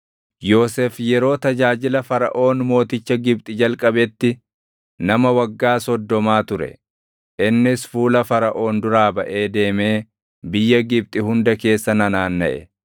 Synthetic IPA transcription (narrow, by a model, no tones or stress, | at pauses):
jo̞ːsefjɛɾo̞ːt̪ɐd͡ʒaːd͡ʒɪlɐfɐɾɐ̰ʔo̞ːnmo̞ːt̪ɪt͡ʃːɐɡɪb̚t̪ʼɪd͡ʒɐlkʼɐbɛt̪ːɪ | nɐmɐwɐɡːaːsɔd̪ːɔmaːt̪ʊɾɛ̰ | ʔɪnːɪsfuːlɐfɐɾɐʔo̞ːnd̪ʊɾaːbɐʔe̞ːd̪e̞ːme̞ː | bɪjːɐɡɪb̚t̪ʼɪɦʊnd̪ɐke̞ːsːɐnɐnaːnːɐ̰ʔɛ̰